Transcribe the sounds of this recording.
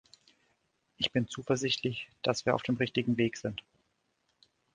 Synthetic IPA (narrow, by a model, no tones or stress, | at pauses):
ʔɪçb̥ɪnt͡suːfɛɐzɪçtʰlɪçd̥asv̥iːɐʔa̰ʊfd̥eːmʁɪçtɪɡŋ̩veːkz̥ɪnt